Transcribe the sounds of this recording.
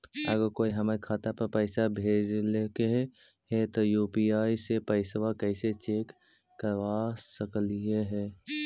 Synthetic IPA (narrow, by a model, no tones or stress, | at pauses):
əɡəɾkoːiɦəmaɾikʰaːt̪apəɾpəɪsabʱeːd͡ʒlekeɦ | ɦɛt̪ojuːpiaːisepəɪsʋakəɪset͡ʃeːkː | əɾʋasəklieɦɛː